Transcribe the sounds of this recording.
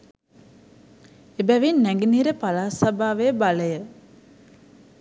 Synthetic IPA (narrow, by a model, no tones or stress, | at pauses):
ebæʋinːæŋɡiniːɾəpalaːsabaːʋejəbaləjə